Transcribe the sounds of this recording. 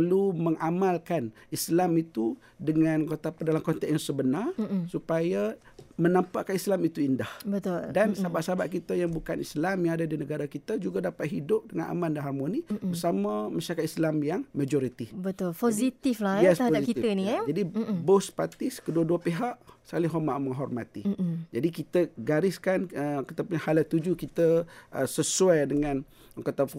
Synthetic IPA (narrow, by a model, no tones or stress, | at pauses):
pəluməŋamalkan | islamit̪u | dəŋankot̪apədalamkɔnt̪ɛkjaŋsəbənarsupaja | mənampaʔkanislamit̪uindahbət̪ʊldansabaʔsabaʔkit̪ajaŋbukanislamjaŋadadinəɡaɾakit̪ad͡ʒuɡadapat̪̚ɦidʊp̚dəŋana̰mãndaɦamonibəsamamaʃaɾakat̪̚islamjaŋmad͡ʒɔɾit̪ibət̪ʊlposit̪iflajɛst̪əaosaitkit̪ənid͡ʒadibospat̪ɪskəduəduapeɦaʔsəkalɪɦɔmaʔməŋɦɔrmat̪id͡ʒadikit̪əɡaɾɪskanəkit̪əpuɲahalat̪ud͡ʒukit̪əəsəsuajdəŋãn | kat̪a